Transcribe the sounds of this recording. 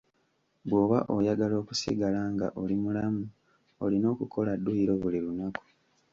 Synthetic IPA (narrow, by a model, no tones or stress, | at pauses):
bwo̞ːβaʔojaɡalo̞ːku̥sḭɡalaːŋɡa̰ʔolimulamu | olino̞ːkukʰo̞ladːuiɾo̞βulilunaku̥